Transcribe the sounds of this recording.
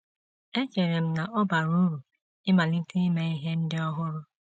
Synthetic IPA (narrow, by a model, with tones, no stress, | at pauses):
e˦t͡ʃe˨ɾe˨m̩˦na˨ʔɔ˦ba˨ɾu˦ɾu˨ | ɪ˦ma˨li˦ti˦i˦me˦i˦ɦe˦n̩˦dɪ˦ɔ˦ɦʊ˦ɾʊ˦